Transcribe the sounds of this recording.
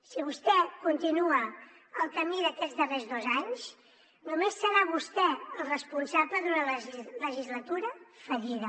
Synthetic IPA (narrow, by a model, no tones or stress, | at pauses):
siβust̪ɛkunt̪inuə | əlˠkəmiðəkɛd͡zd̪ərezðozaɲs | numesːəɾaβust̪ɛəlˠrəspunsapləðunəlləʒizlət̪uɾəfəʎiðə